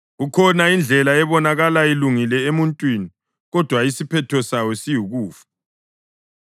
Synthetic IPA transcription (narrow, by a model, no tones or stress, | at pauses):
ɣukʰɔnaind͡ɮʱɛlaɛβɔnaɣalailuŋilɛemuntʼwini | ɣɔd̥ʱwaisipʰɛtʰɔsawɔsijuɣuːfḁ